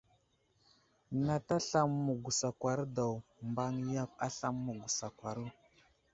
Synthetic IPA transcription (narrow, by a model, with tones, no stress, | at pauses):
na˨ta˦ɬa˦mːu˨ɡu˨sa˨kʷa˨ɾda˨wmba˦ŋ˦ja˦p̚a˦ɬa˦mːu˨ɡu˨sa˨kwa˨ɾu˦˨